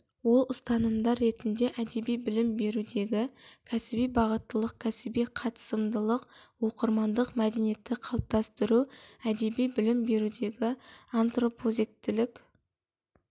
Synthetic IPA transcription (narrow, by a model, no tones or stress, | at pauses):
wo̞lˠʊst̪ɑnəmd̪ɑɾːe̞t̪ɪnd̪e̞ʔæd̪e̞bijbɪlɪmbe̞ɾud̪e̞ɡʲɪkʲʰæsɪbijbɑʁət̪ːəlˠəq̚kʲʰæsɪbijqʰɑt̪ə̥səmd̪əlˠəqwo̞qəɾmɑnd̪əqmæd̪e̞nije̞t̪ːɪqʰɑlˠəp̚t̪ɑst̪əɾuæd̪e̞bijbɪlɪmbe̞ɾud̪e̞ɡʲɪant̪ro̞pʰozek̚t̪ɪlɪkʲ